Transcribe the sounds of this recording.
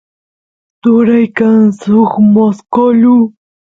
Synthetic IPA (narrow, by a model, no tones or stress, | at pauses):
t̪ʊɾajkaŋsʊχmoskoʎu